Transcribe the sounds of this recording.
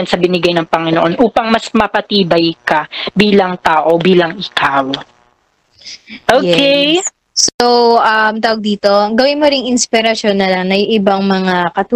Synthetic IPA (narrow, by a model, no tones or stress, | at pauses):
ɐnsɐbɪnɪɡajnɐŋpɐŋɪnoʔonʔuːpɐŋmɐsmɐpɐt̪iːbɐjkɐbiːlɐŋt̪aːʔo̞biːlɐŋʔɪkʰaːw | ʔoke | soʔɐmt̪aːwɐɡ̚d̪iːt̪o̞ɡɐwɪnmoɾɪŋɪnspɪɾɐʃo̞nːɐlaŋnɐjʊŋʔɪbaŋmɐŋakɐt̪u